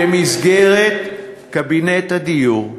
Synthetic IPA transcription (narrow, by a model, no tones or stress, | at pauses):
emizɡeʁet̪ | kabinet̪ad̪ijuʁ